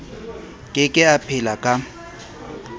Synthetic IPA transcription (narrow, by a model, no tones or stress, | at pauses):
kʼɪkʼɪapʰɪlakʼa